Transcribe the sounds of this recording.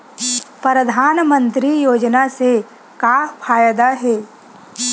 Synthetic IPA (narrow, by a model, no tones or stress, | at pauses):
pɾəd̪ʱaːnmə̃nt̪ɾijoːd͡ʒnase | kaːpʰaːjd̪aɦɛː